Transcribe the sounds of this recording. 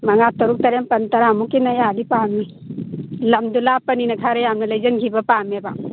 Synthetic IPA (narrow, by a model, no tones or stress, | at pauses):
mɐŋatɐɾuk̚tɐɾempɐntɐɾamukinajadipami | lɐmdulapɐninɐkʰaɾejamnɐlɐjzɐnɡʰibɐpameba̰